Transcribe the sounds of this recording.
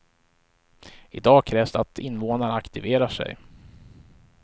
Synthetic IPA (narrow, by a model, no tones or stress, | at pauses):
ɪd̪ɑːkʰɾɛːvsd̪ɛat̪ʰɪnːvoːnaɳəakt̪ɪveːɾaʂɛ̰j